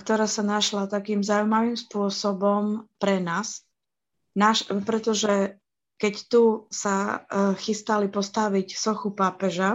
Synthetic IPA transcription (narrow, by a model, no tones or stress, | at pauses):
kt̪ɔɾaːsanaʃlat̪akiːmzaujmaʋiːmspʊɔsɔbɔmpɾɛnaːs | naʃpɾɛt̪ɔʒɛ | kɛct̪usaxist̪alipɔst̪aʋicsɔxupaːpɛʒa